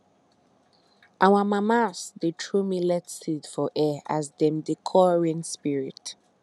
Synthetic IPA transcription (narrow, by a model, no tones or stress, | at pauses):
ʔawamamasdetʰɹumilɛtsidfɔʔɛa̰zdɛ̃mdekʰɔɹĩnspiɹit